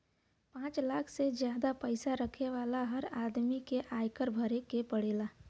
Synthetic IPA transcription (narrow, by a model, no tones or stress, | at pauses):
pãːt͡ʃlaːkʰsed͡ʒjaːd̪apəɪsaɾəkʰeʋaːlaɦəɾaːd̪mikeʔaːjkəɾbʱəɾekepəɽeːla